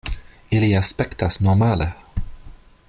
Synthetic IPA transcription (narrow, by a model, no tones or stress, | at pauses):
ɪliaspɛkt̪ʰasnɔɾmaːlə